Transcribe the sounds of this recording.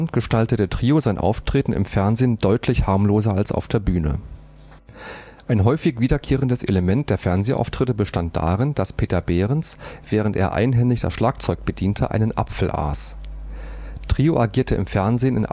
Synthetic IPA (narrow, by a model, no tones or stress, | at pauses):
ntɡ̥əʃtaltətətʁ̥iːozaɪnʔa̰ʊftʁ̥eːtn̩ʔɪ̰mfɛɐnzeːndɔʏtʰlɪçhaɐmloːzɐalsʔa̰ʊfd̥eːɐbyːnə̰ | ʔaɪnɦɔʏfɪçviːdɐkʰeːʁəndəsʔḛləmɛnt̚d̥eːɐfɛɐnzeːʔa̰ʊftʁ̥ɪtəbəʃtant̚d̥a̰ːʁɪnd̥aspʰeːtɐbeːʁ̞ənsv̥ɛːʁ̞əntʔḛːɐʔa̰ɪnɦɛŋlɪçd̥a̰sʃlaːkt͡sɔʏk̚b̥ədiːntʰəʔa̰ɪnənʔa̰pfl̩ʔa̰ːs | tʁ̥iːoʔaɡiːɐtʰəʔɪ̰mfɛɐnzeːnɪnʔ